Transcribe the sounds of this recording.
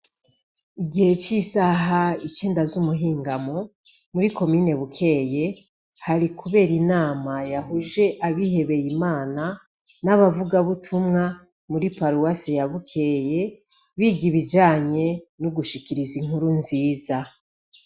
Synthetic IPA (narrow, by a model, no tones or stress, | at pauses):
iɡihe̞t͡ʃisaɦait͡ʃeːndazumuɦiːŋɡamo | muɾiko̞miːne̞βukʰe̞ːje̞ | haɾikʰuβe̞ːɾinaːmajaɦuʒe̞ʔaβihe̞βe̞jimaːna | naβavuɡaβutʰumŋa | muɾipaɾuwasijaβukʰe̞ːje̞ | βiːɡiβid͡ʒaːɲe̞nuɡuʃikiɾiziŋ̥huɾunziːza